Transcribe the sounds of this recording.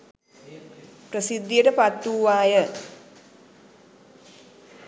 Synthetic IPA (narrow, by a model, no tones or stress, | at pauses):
prəsid̪ːijəʈəpat̪ːuːʋaːjə